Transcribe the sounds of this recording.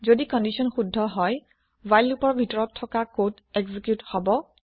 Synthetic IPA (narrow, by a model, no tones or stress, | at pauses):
zodikɔndisɔnxudʱːɔɦɔj | wajlupɔɹbʱitɔɹɔtʰːɔkakot | ɛɡzikjuthɔbɔ